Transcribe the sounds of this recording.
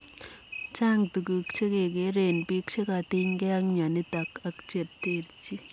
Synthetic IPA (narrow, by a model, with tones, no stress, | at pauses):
t͡ʃa˦ŋtu˨ku˨kt͡ʃe˦ke˨ke˨˦ɾe˨npi˦kt͡ʃe˦ka˨ti˦ŋke˦a˦ŋɲa˨nɪ˦ta˨ka˨kt͡ʃe˨tte˨ɾt͡ʃi˦